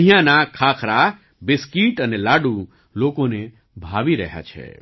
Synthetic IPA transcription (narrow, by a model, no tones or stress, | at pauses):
ɦijãnakʰakʰɾa | bɪskiʈənelaɖũ | lokone | bʱaʋiɾəɦja̰t͡ʃʰḛ